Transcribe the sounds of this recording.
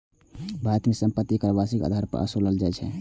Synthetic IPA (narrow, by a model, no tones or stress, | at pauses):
bʱat̪mesəmpət̪ːikɾəbasikə̰d̪ʱaɾpə̰ɾʔə̰soləld͡ʒajt͡ʃʰɛ̰